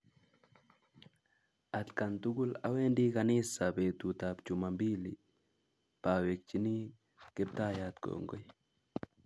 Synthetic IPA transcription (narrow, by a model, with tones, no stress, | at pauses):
a˨t̪ka˨ntu˦ɡu˦la̰˨we˦ndi˦kanɪ˦sape˨t̪u˨tapt͡ʃumambi˦li | pawe˨k̚t͡ʃi˦ni˦ | kɛ˦p̚t̪a˦jat̪ko̰ŋɡɔ˦j